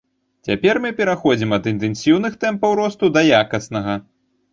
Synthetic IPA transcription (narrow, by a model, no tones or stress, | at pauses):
t͡sʲapʲɛrmɨpʲɛɾaxɔd͡zʲimɐd̪ɨnt̪ɛnsʲiwn̪ɨxt̪ɛmpɐwɾɔst̪ud̪ɐjakɐsnɐɣɐ